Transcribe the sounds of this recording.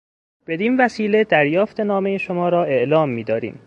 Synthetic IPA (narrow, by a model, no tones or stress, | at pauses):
b̥e̞d̪iːnvæsiːle̞d̪æɾjɒːft̪ʰe̞nɒːmejeʃomɒːɾɒːe̞ʔlɒːmːiːd̪ɒːɾḭːm